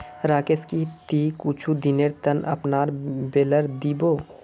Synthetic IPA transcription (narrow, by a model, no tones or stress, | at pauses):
ɾaːkeskit̪ikuːt͡ʃʰud̪ineɾt̪ənɐ̰pnaːɾbeːləɾd̪iːboː